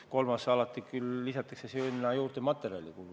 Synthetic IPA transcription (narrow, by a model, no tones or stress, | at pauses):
ko̞lmɑsɑlɑt̪ːˑikylːisɑt̪ːˑɑksesynːɑjuːrt̪emɑt̪ːeɾiɑ̰lʲikulu